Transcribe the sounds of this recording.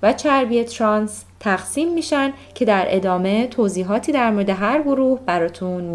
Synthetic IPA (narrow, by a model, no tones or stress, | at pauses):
væt͡ʃʰæɾbiet̪ʰɾɒns | t̪ʰæɣsiːmːiːʃænd̪cʰe̞d̪æɾʔe̞̰d̪ɒːme̞t̪ʰoziːɦɒːt̪ʰiːd̪æɾmoɾe̞d̪e̞ɦæɾɡoɾuːhbæɾɒːt̪ʰunm